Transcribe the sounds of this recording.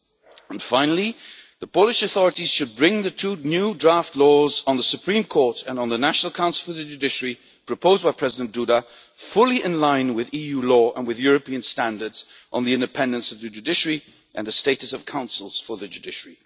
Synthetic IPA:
ə̃nfãɪ̃nl̩ˠiðəpʰoʊlˠɨʃɨθɔɹɨɾiz̥ʃɨd̚bɹɪ̃ŋðɨtʰunjʉdɹæftˡlɔzn̩ðəsɨpʰɹ̥ĩmkʰɔɹɾɨ̃nn̩ðənæʃnl̩ˠkʰãʊ̃nsl̩ˠfə˞ðɨd͡ʒʉdɪʃəɹi | pʰɹ̥ɨpʰoʊzbaɪpʰɹ̥ɛzɪdə̃nd̥uɾə | fʊlˠiʔɨ̃nlãɪ̃nwɪðijulɔʔə̰̃nwɨðjʊɹɨpiɨ̃nstæ̃ndə˞dz̥ʔn̩ðiɪ̃ndɨpʰɛ̃ndɨ̃nsʌvðɨd͡ʒʉdɪʃəɹi | ʔɨ̰̃nðɨsteɪɾɨsʌv̥kʰãʊ̃nsl̩ˠz̥fə˞ðɨd͡ʒʉdɪʃəɹi

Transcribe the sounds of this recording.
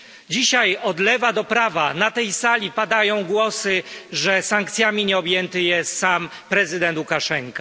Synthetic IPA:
d͡ʑiɕajɔd̪lɛvad̪ɔpɾavanat̪ɛjsalʲipad̪ajɔ̃w̃ɡwɔsɘʐɛsaŋk̚t̪sʲjamʲiɲɛɔbʲjɛnt̪ɘjɛssam | pɾɛzɘd̪ɛnt̪ukaʂɛŋka

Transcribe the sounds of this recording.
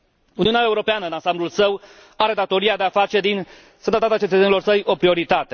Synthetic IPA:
uniuneae̞uɾo̞peanəɨnansamblulsəw | aɾe̞d̪at̪o̞ɾiad̪eafat͡ʃe̞d̪in | sənd̪at̪at̪at͡ʃe̞t̪ət̪senilo̞rsəjʔo̞pɾio̞ɾit̪at̪e̞

